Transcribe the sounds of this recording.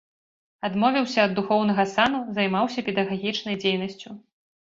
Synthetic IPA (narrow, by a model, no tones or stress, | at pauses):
ad̪mɔvʲiwsʲɐːd̪ːuxɔwn̪ɐɣɐsanuzɐjmawsʲɐpʲɛd̪ɐɣaɣʲit͡ʂnɐjd͡zʲejnɐsʲt͡sʲu